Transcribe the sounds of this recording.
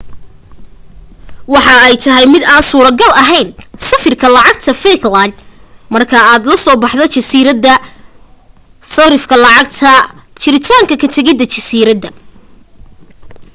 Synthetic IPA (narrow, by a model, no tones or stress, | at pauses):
wɑħɑɛjt̪ʰɐɦɛjmɪd̪aːnsuːɾɐɡɐlɐɦɛjnsɐfɪrkʰɐlɑʕɑɡ̚t̪ʰɐfɛklanmɐrkʰɐaːd̪lɐsɔːbɑħd̪ɔt͡ʃɐsiɾɐd̪ɐ | sɐɾɪfkʰɐlɑʕɑɡt̪ʰɐt͡ʃɪɾɪt̪ʰaːŋkʰɐkʰɐt̪ʰɐɣɪd̪ɐt͡ʃɐsiːɾɐd̪ːɐ